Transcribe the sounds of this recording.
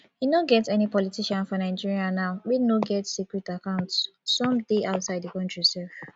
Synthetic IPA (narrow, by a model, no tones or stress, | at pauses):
hinoɡɛtɛnipɔlitʰiʃãnfɔnaɪd͡ʒiɹianaʊwinoɡɛtsikɹɛtakãʊ̃ntsː | ɔ̃mdeʔaʊtsaɪdikɔ̃ntɹisɛlf